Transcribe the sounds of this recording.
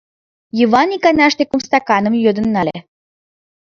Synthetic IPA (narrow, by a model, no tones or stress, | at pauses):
jəvɑnikɑnɑʃt̪ekumst̪ɑkɑnə̆mjød̪ə̆nːɑlʲḛ